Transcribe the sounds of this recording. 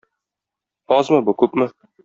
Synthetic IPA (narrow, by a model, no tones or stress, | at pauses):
ɒzmɤbukʉpmɘ